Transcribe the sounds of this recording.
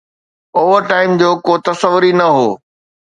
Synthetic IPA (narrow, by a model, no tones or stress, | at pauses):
oːʋəɾʈaːɪmd͡ʑoːkoːt̪ɐsəʋʊɾinɐɦoː